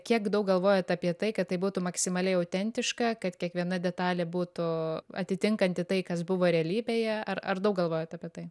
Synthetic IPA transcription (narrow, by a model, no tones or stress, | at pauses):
kʲiɛkd̪ɐʊk̚ɡɐlˠʋoːjɛt̪ɐpʲiɛt̪ɐɪkɐt̪t̪ɐɪbuːt̪ʊmɐksʲɪmɐlʲɛɪɐʊt̪ʲɛnʲt̪ʲɪʃkɐkɐt̪kʲiɛkʋʲiɛnɐd̪ʲɛt̪ɑːlʲɛbuːt̪ʊɐ̰t̪ʲɪt̪ʲɪŋkɐnʲt̪ʲɪt̪ɐɪkɐsbʊʋoːɾʲɛɛlʲiːbʲeːjɛɐrɐ̰rd̪ɐʊk̚ɡɐlˠʋoːjot̪ɐpʲiɛt̪ɐɪ